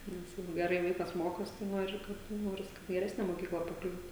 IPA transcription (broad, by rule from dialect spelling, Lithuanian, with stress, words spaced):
ˈnʲɛs ˈjɛɪɡʊ ɡʲɛˈrɐɪ ˈʋɐɪkɐs ˈmoːkoːsʲɪ tɐɪ ˈnoːrʲɪ kɐt ˈnoːrʲɪs kɐt ɡʲɛˈrʲæːsʲnʲɛ moːˈkʲiːklˠɐ pɐˈklʲuːt